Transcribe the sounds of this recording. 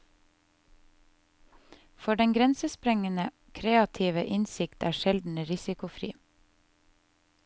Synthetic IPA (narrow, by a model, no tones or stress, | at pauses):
fɔɖɛŋɡɾɛnsəspɾɛŋənə | kʰɾeːɑt̪ʰiːʋəʔɪnsɪkt̪ʰæ̰ːʃɛld̪n̩əɾɪsɪkʊfɾḭː